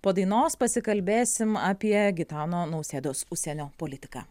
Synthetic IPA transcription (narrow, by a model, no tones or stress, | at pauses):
poːd̪ɐɪnoːspɐsʲɪkɐlʲbʲeːsʲɪmaːpʲiɛɡʲɪt̪ɑːnoːnɐʊsʲeːd̪oːsʊʃʲsʲɛnʲoːpoːlʲɪt̪ʲɪka̰ː